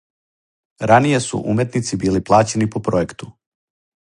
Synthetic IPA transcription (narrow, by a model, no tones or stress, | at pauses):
ɾanije̞sṵʔṵmjet̪nit̪sibiːliplˠaːt͡ɕe̞nipo̞pɾoje̞kt̪u̥